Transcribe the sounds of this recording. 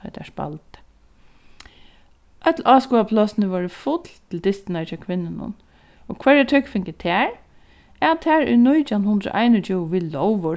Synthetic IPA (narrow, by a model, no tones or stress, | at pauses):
œ̰d̪ɛ̰ʂpa̰lt̪ | ʔœt̪lʔɑːskuːapʰlɔːsɪnəʋɔːɹəfʊt̪lt̪ʰɪld̪ɪst̪ɪnat͡ʃakʰʋɪnːɪnʊ̰n | ɔ̰kʰʋɛɹɛt̪ʰœkfɪŋkət̪ʰɛːɹ | ɛt̪ʰːɛːɹɛ̰nʊjt͡ʃanhʊnd̪ɾʊ̰ʔaɪnɔt͡ʃʰɪwʋiːlɔwʋʊ